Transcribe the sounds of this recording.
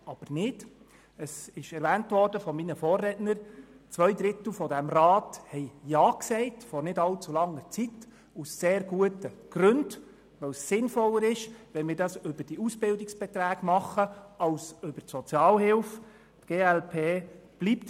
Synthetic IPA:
ɑb̥əɾnɪd | əsɪʃɛɾvæːntʋɔːɾd̥əfɔminəfɔːrrɛtnəɾt͡sʋœjd̪ɾɪt̪l̩fɔdæmrɑːthɛɪjɑːksɛɪtfɔɾnɪdɑlt͡sulɑŋːəɾt͡sit | usːeːɾɡuətəɡ̥ɾɵnd | ʋœwsːɪnfɔlːəɾɪʃʋɛnmɪːɾdɑsʏb̥əɾd̥iusb̥ɪldɪksb̥ɛt̪ɾæːɡ̥mɑχəɑwsɵbəɾtsɔt͡sjɑːlhɪlf | tɡ̥eːælpʰeːb̥lipt

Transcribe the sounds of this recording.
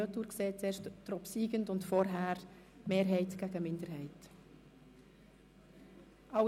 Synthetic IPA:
otuːɾkseːt͡seːɾʃttɾɔpsiːɡəntʊntfɔɾɦæːɾ | meːɾɦɛɪtɡ̥æɡ̥əmɪndəɾɦɛɪt | ʔɑ

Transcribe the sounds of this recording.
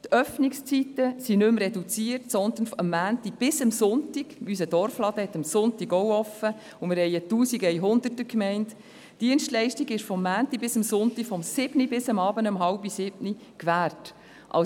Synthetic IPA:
tʰœfnɪkst͡sitəsinʏmrɛdut͡siːəɾtsɔnd̪ənfəmːæːntib̥ɪsəmsʊntɪɡys̬əd̥ɔɾflɑd̪əhɛt̪əmsʊntiɡɔwɔfə | ʊmɪɾhɛɪətuːsiɡəjɦʊnd̪ərtəkmɛɪnt | d̥iənʃtlɛɪʃtiɡɪʃfɔmːæːntibɪsəmsʊntifɔmsɪb̥nibɪsəmɑːbənəmɦɑlbisɪbni | kʋæːɾt | ʔɑ̰

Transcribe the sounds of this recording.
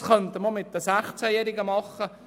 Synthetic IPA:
χœnt̪əməmɪt̪̚d̥̪əsæχt͡sæjɛːɾɪɡəmɑχːə

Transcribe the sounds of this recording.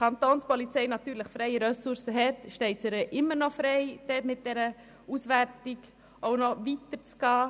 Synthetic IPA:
kʰɑnt̪oːnspɔlit͡sɛɪnɑt̪yːɾləχfɾɛɪəɾœsʊɾsəɦɛtʃtɛɪtsəɾəʔɪmːəɾnɔfɾɛɪd̥ɛtmɪt̚d̥ɛɾə | uːsʋæɾtɪɡ | ʔoʊnɔʋit̪əɾt͡sɡ̥ɑː

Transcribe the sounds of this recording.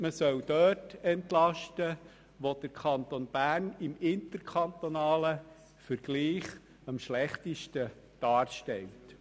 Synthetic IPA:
məsœwd̥œːtɛntlɑʃtə | ʋod̥əɾkʰɑnt̪onb̥æːrnɪmɪntəɾkʰχɑnt̪onɑːlə | fəɾɡ̥liːχ | ɑmʃlɛχtiʃtə | d̥ɑːɾʃtɛlt

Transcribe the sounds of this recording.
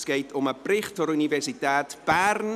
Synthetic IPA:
skejtʰɔməbrɪχtʰɔɾunivɛsitʰaːtb̥arn

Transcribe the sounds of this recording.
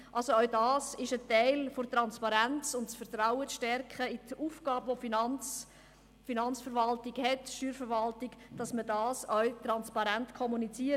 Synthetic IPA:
ʔɑlsoœʊdɑːsɪʃətɛɪlfotɾɑnspɑɾænt͡sʊntsfərtraʊət͡sʃtɛrkχəiduːfɡ̥ɑːbvofinn | finɑnt͡sfəɾʋɑltɪɡhɛtʃyːɾfəɾvɑltɪɡd̥ɑsmədɑːsœwt̪ɾɑnspɑɾæntkʰɔmunit͡siə

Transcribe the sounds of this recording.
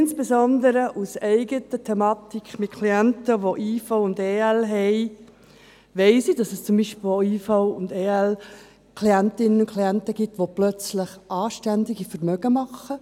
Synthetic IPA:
nsb̥esɔndəɾəʔusɛɪɡətətʰɛmɑːt̪ikχmɪt̚kʰliæntəʋoʔiːfoʊʊndeːɛlɦɛɪ | ʋɛɪsidɑsɛst͡sʊmbiːʃpl̩iːfoʊʊndeːɛl | kliæntɪnənʊkʰliæntəɡ̥itʋoplœt͡sləχʔɑːʃtændiɡifəɾmœɡəmɑχə

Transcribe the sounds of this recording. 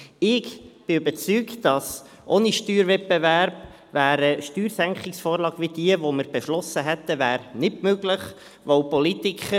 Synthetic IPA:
ɪɡb̥ɪybət͡syːkd̥ɑs | ʔoniʃtyːɾvɛt̚bevæɾb̥ | væːɾəʃtyːɾsæŋkχɪksfoːɾlɑːɡ̥ʋid̥iəʋoməɾb̥ɛʃlɔsːəɦɛt̪ːəvæːɾnɪtmøɡləχ | ʋoʊpɔlit̪ikχə

